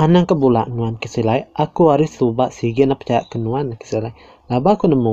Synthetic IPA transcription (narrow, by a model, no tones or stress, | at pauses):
anaŋkəbula̰ʔnuankəsilajʔakuaɾɪsubaʔsiɡɪnapət͡ʃajaʔkənuanakə̥silaj | labakunəmu